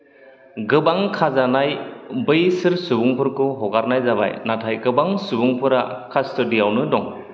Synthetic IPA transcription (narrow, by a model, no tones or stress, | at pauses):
ɡɯbaŋkʰazanajbɯjsɯɾsubuŋpʰɯɾkɯɦɔɡaɾnajzaβa̰jnatʰajɡɯbaŋsubuŋpʰɯɾa̰kʰastɯdijawnɯdɔŋ